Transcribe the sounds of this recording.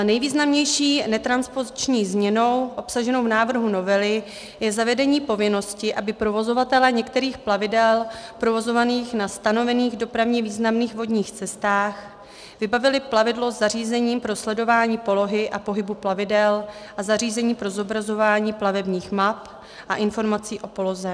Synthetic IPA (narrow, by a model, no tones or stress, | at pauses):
nɛjviːznamɲɛjʃiːnɛt̪ɾanspo̞zɪt͡ʃɲiːzmɲɛno̞wʔo̞psaʒɛno̞wvnaːvr̩ɦuno̞vɛlɪ | jɛzavɛdɛɲiːpo̞vɪno̞scɪʔabɪpɾo̞vo̞zo̞vat̪ɛlɛːɲɛkt̪ɛɾiːxplavɪdɛlpɾo̞vo̞zo̞vaniːxnast̪ano̞vɛniːɣdo̞pɾavɲɛviːznamniːxvo̞dɲiːxt͡sɛst̪aːx | vɪbavɪlɪplavɪdlo̞zariːzɛɲiːmpɾo̞slɛdo̞vaːɲiːpo̞lo̞ɦɪʔapo̞ɦɪbuplavɪdɛlʔazariːzɛɲiːpɾo̞zo̞bɾazo̞vaːɲiːplavɛbɲiːxmap | ʔaʔɪnfo̞ɾmat͡siːʔo̞po̞lo̞zɛ